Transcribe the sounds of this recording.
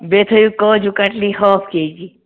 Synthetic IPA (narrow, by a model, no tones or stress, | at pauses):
bet̪ʰəjukɔd͡ʒukaʈlihɔːpked͡ʒi